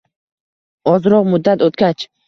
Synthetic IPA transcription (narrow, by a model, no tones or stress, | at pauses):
ɒzɾɒʁmʊd̪ːat̪ot̪̚kʲat͡ʃ